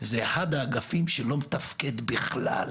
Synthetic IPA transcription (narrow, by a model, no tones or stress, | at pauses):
zeːχad̪aːɡafimʃelo̞met̪afke̞d̪biχla̰l